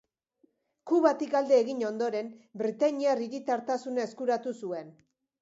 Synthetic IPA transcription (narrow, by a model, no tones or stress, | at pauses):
kuβat̪ikald̪e̞ːɣiɲo̞nd̪o̞ɾe̞mbɾit̪aɲiariɾit̪aɾt̪asunae̞skuɾat̪usue̞n